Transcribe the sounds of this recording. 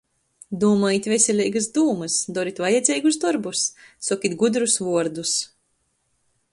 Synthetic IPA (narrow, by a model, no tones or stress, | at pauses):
d̪uːmɔjit̪ʲvʲesʲɛlʲiːɡasd̪uːmɨsd̪ɔɾit̪ʲvajɛd̪zʲɛjɡus̬d̪ɔɾbusːɔkʲit̪ɡud̪ɾusvuɔɾd̪us